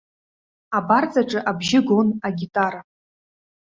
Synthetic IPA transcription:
abart͡sʼaʈ͡ʂʼɨʔabʒɪɡonaɡʲitʼara

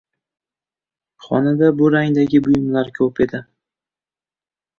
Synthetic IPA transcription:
χɒ̰nad̪abʊɾaŋd̪aɡʲɪbʊjɪmlaɾkʲʰɵpe̞d̪ɪ

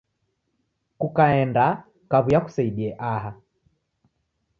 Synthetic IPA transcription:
kukaɛnda | kaβujaku̥saiɗiɛʔaɦa

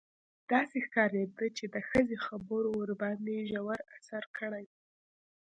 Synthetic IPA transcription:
d̪̥ɑsexkɑɾed̪ət͡ʃed̪əxəzexabəɾoːɾband̪eʒawaɾasaɾkʰəɽaj

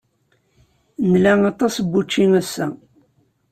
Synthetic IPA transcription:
nlæŋɑt̪ˤɑsbːut͡ʃːinæsːæ̰

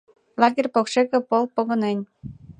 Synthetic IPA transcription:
lɑɣerʲpokʃekĕpolˠpoɣɤ̆nenʲ

